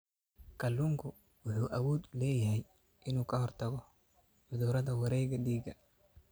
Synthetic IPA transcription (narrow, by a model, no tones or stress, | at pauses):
kʰɐlːuŋkʰʊ | wʊħuːʔɐwuːd̪lɛːjɐhɛj | ʔɪnuːkʰɐhɔrt̪ʰɐɣɔ | ʕʊðuːɾɐðɐwɐɾɛːɡɐɗiːɡɐ